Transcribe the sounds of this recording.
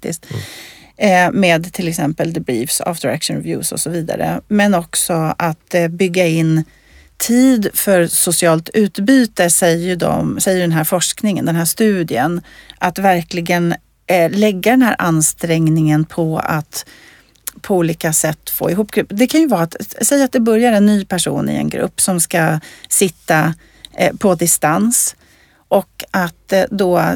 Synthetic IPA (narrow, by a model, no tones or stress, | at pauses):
kt̪ɪ̰st̪ | meːd̪t̪ʰɪlɛksɛmpəld̪əbɾiːvsa̰ːfd̪əɾæ̰kʂɔnɾɛvjʉ̰ːsɔ̰sɔviːd̪a̰ɾə̰mɛnɔksɔʔat̪bʏɡːaɪn | t̪ʰiːd̪fœɾsʊsɪɑːlt̪ʉ̟ːt̪byːt̪əsɛjːəɖɔ̰msɛjːəɖɛnɦæːɾfɔʂknɪŋə̰nd̪ɛnɦæːʂt̪ʉ̟ːd̪ɪənʔat̪væɾklɪɡən | lɛɡːad̪ɛnɦæːɾʔa̰nst̪ɾɛŋnɪŋənpʰɔa̰t̪ | pʰɔuːliːkasɛt̪ːfo̰ːɪɦuːpːɡɾɵpːd̪ɛkʰanjɵvɑːat̪sɛjːɾat̪̚d̪ɛbœɾjaɾɛnːyːpʰæʂṵːnɪ̰ɛ̰nɡɾɵ̰pːsɔmskasɪt̪ːa | pʰɔd̪ɪst̪ans | ʔɔkat̪d̪ɔ